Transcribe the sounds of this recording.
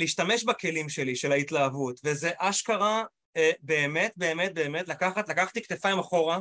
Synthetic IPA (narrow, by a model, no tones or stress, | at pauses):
liːʃtameʃbake̞limʃe̞liʃe̞laitlaːvutveze̞ʔaʃkaʁa | ebe̞ːmet̪̚be̞ːmet̚be̞ːmetlakaχatlakaχḁt̪ikt̪efaimaχo̞ʁa